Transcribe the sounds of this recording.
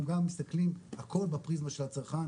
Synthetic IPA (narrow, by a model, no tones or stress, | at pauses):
mɡamːist̪aklimhakʰo̞lbepʁizmaʃe̞lat͡saʁχan